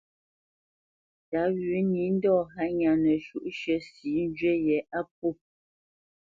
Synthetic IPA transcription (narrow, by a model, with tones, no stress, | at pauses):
ta˨˦ɣi˨˦ni˨˦n̩˦dɔ˦˨ɦa˦ɲa˨nə˨ʃu˦ʔʃə˦si˨˦n˦d͡ʒɥe˦jɛ˨a˦p̚u˦˨